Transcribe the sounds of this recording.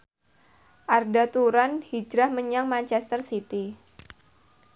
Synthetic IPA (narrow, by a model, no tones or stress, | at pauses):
ʔardat̪uɾanhid͡ʒɾahməɲaŋmant͡ʃɛst̪ərsit̪i